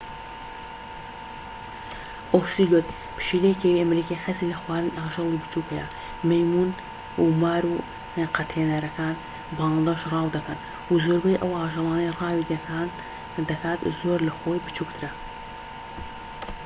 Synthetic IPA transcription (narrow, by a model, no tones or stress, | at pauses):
ʔofsiːɡʊt̪ | pʰɨ̥ʃiːlejkʰewiʔɐmɾiːkʰaħasilɐxwaːɾɨnaːʒɨlˠibɨt͡ʃʰuːkhɐjɛ̰ | mɐjmun | umaːɾu | qɑt̪ʰeːnɐɾɐkʰaːn | bɑŋd̪ɐʃrɑːwd̪ɐkʰɐn | wuzoːɾbɐjʔɐwaːʒɨlˠɑːnɐjrɑːwid̪an | d̪ɐkʰaːt̪zoːɾlɐxoːjbɨt͡ʃʰukt̪ʰɨɾɐ